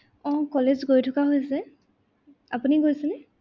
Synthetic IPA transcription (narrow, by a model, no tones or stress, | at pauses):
ɔ̃kɔlezɡojtʰʊkaɦojsɛ | apuniɡojsɛnɛ